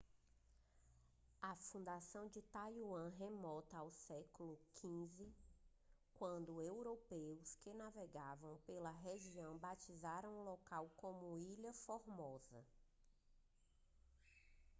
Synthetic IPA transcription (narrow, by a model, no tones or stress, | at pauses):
ɐfũd̪asɐ̃w̃d͡ʒɪt̪ajuɐ̃ɦemɔt̪ɐawsɛklʊkʰĩzɪ | kwɐ̃nd̪ʊewɾopewskɪnaveɡavɐ̃w̃pelɐɦeʒiɐ̃w̃bat͡ʃizaɾɐ̃w̃ũlokawkõmʊiʎɐfoɾmɔzɐ